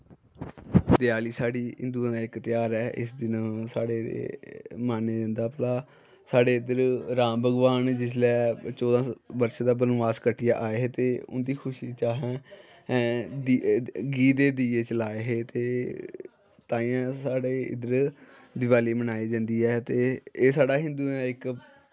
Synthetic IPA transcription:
d̪ɪjaːliːsaːɽiːɪ̰nd̪ũːd̪aːɪkt̪ɪjaːɾɛːʔɪ̰sd̪ɪnsaːɽeːḛːmaːneːd͡ʒə̃nd̪aːpəlaː | saːɽeːɪd̪əɾɾãːmbəɡʋaːnd͡ʒɪslɛːt͡ʃɔːd̪ãːbəɾʃd̪aːbənʋaːskəʈʰːɪja̰ːʔaːeːɦeːt̪eːʊ̰nd̪iːkʰʊʃiːt͡ʃaːɦɛ̃ː | d̪iɡiːd̪eːd̪iːeːt͡ʃəlaːeɦeːt̪eː | t̪aːĩːãːsaːɽeːɪ̰d̪əɾ | d̪ɪʋaːliːmənaːiːd͡ʒãːnd̪iːɛːt̪eːeːsaːɽaːɦɪ̃nd̪uːnaːɪk

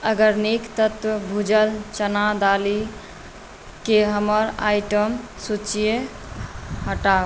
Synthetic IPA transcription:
əɡəɾnikt̪ət̪wəbʱud͡ʒəlt͡ʃənad̪ali | keɦəməɾa̰jʈəm | sut͡ʃije | ɦəʈa

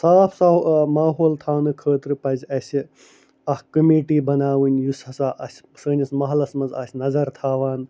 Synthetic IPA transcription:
saːpʰsamaːɦoːlt̪ʰaːwnɨkʰəːt̪ɾɨpɐzʲɐsi | ɐhkɐmiːʈiːbɐnaːʋɨnʲjusɐsaːʔɐsʲ | səːnʲismɐɦlɐsmɐnza̰ːsʲnɐzɐɾt̪ʰaːʋaːn

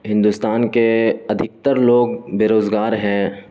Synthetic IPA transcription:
ɦɪ̃nd̪uːst̪aːnkeɐd̪ʱɪk̚t̪əɾloːɡbeːɾoːzɡaːɾɦɛ̃ː

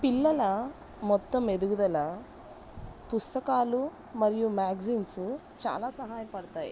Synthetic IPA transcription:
pilːɐla | mɔt̪ːəmed̪uɡd̪ɐla | pust̪ɐkaːlu | mɐɾijumaɡzins | t͡ʃa̰ːlasɐɦajpɐɽt̪aj

